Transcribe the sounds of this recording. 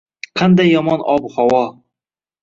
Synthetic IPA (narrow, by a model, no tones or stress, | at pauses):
qʰɑnd̪ajːɒmɒnɒbhawɒ